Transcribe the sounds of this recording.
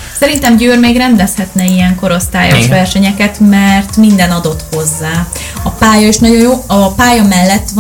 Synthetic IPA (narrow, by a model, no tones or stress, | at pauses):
sɛɾint̪ɛmɟøːrmeːɡrɛnd̪ɛshɛt̪nɛijɛŋko̞ɾo̞st̪aːjɒʃʋɛrʃɛɲɛkɛt̪mɛrt̪mind̪ɛnɒd̪o̞t̪ho̞zːaː | ɒpaːjɒeːʃnɒɟo̞njoːɒpaːjɒmɛlːɛt̪ːʋ